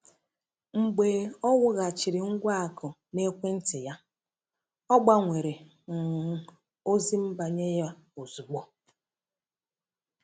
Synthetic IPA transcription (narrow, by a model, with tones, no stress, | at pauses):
ŋ͡m̩˨ɡ͡beː˨ɔ˦wʊ˦ɣa˨t͡ʃi˨ɾɪ˨ŋ̩˦ɡʷa˦a˨kʊ˨ | ne˦kʷe˦n̩˦tɪ˨ja˦ | ɔ˦ɡ͡ba˦ŋʷe˨ɾe˨ | ŋ̩˨˦ | o˦zi˦m̩˦ba˨ɲe˦ja˦o˨zu˨ɡ͡bo˦